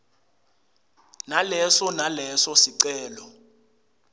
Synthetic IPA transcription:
nalɛsɔnalɛsɔsiǀɛːlɔ

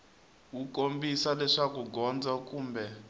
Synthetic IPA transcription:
ukombisalɛʂakuɡɔnd͡zakuːmbɛ

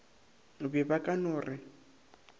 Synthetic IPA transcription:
bɪbakʼanʊːrʔɪ

